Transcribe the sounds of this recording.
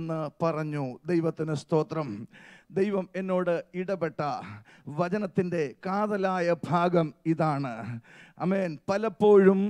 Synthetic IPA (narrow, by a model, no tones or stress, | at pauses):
nːɨpɐrɐɲːud̪ejʋɐt̪ːinɨst̪o̞ːt̪rɐmd̪ejʋɐme̞nːo̞ːɽɨiɽɐbe̞ʈːɐ | ʋɐt͡ɕɐnɐt̪ːinde̞kaːðɐlaːjɐbʱaːɡɐmiðaːɳɨɐ̰meːnpɐlɐpːo̞ːɻum